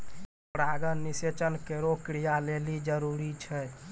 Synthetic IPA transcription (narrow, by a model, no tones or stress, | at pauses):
pɾaɡənːiset͡ʃənkeɾokɾijalelid͡ʒəɾuɾit͡ʃʰɛ